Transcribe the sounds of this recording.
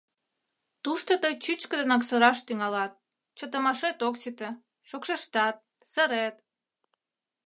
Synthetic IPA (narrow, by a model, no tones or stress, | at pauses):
t̪uʃt̪ot̪əjt͡ɕyt͡ɕkə̆d̪ənɑksəɾɑʃt̪yŋɑlɑt̪̚ | t͡ɕət̪əmɑʃet̪oksit̪ĕ | ʃokʃeʃt̪ɑt̪̚ | səɾet̪̚